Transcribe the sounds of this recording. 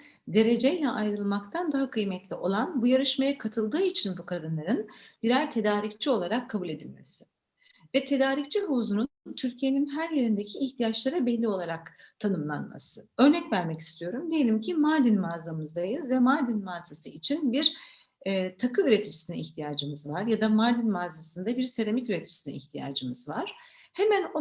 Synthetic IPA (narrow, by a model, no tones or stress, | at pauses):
d̪e̞ɾe̞d͡ʒejlʲɛʔajɾɯlˠmakt̪ʰand̪aɦakʰɯjmɛt̪lʲiʔo̞lˠanbujaɾɯʃmajakʰat̪ʰɯlˠd̪ɯːit͡ʃʰinbukʰad̪ɯnlˠaɾɯnbiɾæɾt̪ʰe̞d̪aːɾict͡ʃʰio̞lˠaɾakʰːabulʲe̞d̪ḭlʲme̞̰sɪ̥ | vɛt̪ʰe̞d̪aːɾict͡ʃʰiɦuzununt̪ʰyɾcʰije̞ninɦæɾje̞ɾind̪ecʰiːçt̪ʰijat͡ʃlˠaɾɯbɛlʲːio̞lˠaɾakt̪ʰanɯmlˠa̰nma̰sɯ̥ø̞ɾnɛcvæɾmɛci̥st̪ʰijo̞ɾumd̪ejelʲimcʰimaɾd̪inmaːzamɯzd̪ajɯzvɛmaɾd̪inmaːzasɯit͡ʃʰinbiɾː | t̪ʰakʰɯyɾe̞t̪ʰid͡ʒi̥sinḭiçt̪ʰijaːd͡ʒɯmɯzvaɾjad̪amaɾd̪inmaːzasɯnd̪abiɾse̞ɾemicyɾet̪ʰi̥d͡ʒi̥sinḭḭçt̪ʰija̰ːd͡ʒɯmɯzvaɾ̥ | hemæno